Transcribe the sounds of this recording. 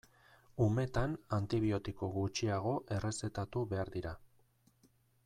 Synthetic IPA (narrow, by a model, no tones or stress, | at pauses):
ume̞t̪anant̪iβ̞io̞t̪ikoɣut͡ʃiaɣ̞o̞ʔe̞re̞se̞t̪at̪uβe̞aɾd̪iɾa